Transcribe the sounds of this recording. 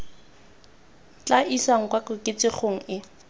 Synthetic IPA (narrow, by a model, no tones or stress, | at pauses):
t͡ɬʼaʔisaŋ̩kwakʊkʼɪt͡sʼɪχoŋ̩ɪ